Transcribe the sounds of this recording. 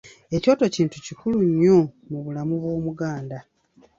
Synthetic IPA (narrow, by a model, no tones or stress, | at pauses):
e̞co̞ːto̞ciːntucikuluɲːo̞ | muβulamuβwo̞ːmuɡaːnda